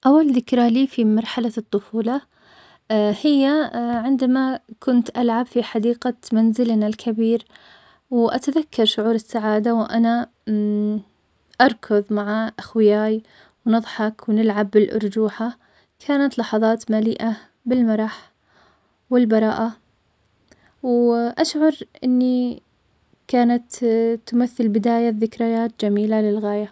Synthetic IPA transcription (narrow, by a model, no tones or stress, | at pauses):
ʔawːalðɪkɾaliːfimɑɾˤħalat̪ˤːʊfuːlɑ | hɪjːaʕɪnd̪amakʊnt̪ʔalʕabfiħad̪iːqamanzɪlnalkʰabiːɾ | wʔat̪aðakːɑɾˤʃʊʕuːɾɪsːaʕaːd̪awʔana | ʔɑɾˤkʰʊðˤmaʕaʔaxwɪjaːj | wnɨðˤħɑkwnɪlʕabːɪlʔʊ̰ɾˤd͡ʒuːħa | kʰaːnat̪lɑħɑðˤɑːt̪malḭːʔa | bɪlmɑɾˤɑħ | wɪlbɑɾˤɑ̰ːʔa | wʔaʃʕɑɾˤʔɪnːi | kaːnat̪t̪ːʊmaθːɪlbɪd̪aːjaðɪkɾajaːt̪̚d͡ʒamiːlalɪlɣaːja